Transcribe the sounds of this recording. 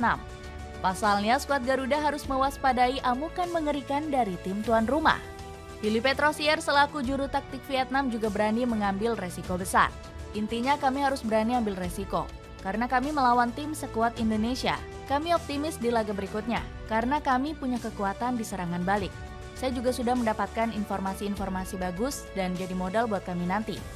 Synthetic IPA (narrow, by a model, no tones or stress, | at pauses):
t̪na̰m | pasalɲaskuat̪̚ɡaɾudaɦaɾʊsməwaspadaiʔamukanməŋəɾikandaɾit̪ɪmt̪uanruma̰h | filipɛt̪ɾosiɛrsəlakud͡ʒuɾut̪ak̚t̪ɪk̚fiɛt̪̚namd͡ʒuɡabəɾaniməŋambɪlresikobəsa̰r | ʔint̪iɲakamiɦaɾʊsbəɾaniambɪlresiko̰ | kaɾənakamiməlawant̪ɪmsəkuat̪indonesia̰ | kamiɔp̚t̪imɪsdilaɡabəɾikʊt̪̚ɲa̰ | kaɾənakamipuɲakəkuat̪andisəɾaŋanbalɪk̚ | sajad͡ʒuɡasudahməndapat̪̚kaninfɔrmasiːnfɔrmasibaɡʊs | dand͡ʒadimodalbuat̪̚kaminant̪ḭ